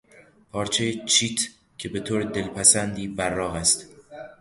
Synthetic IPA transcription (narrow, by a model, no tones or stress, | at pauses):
pʰɒːɾt͡ʃʰejet͡ʃʰiːt̪ʰ | cʰe̞be̞t̪ʰoːɾed̪e̞lpʰæsænd̪iːbærːɒːɦæst̪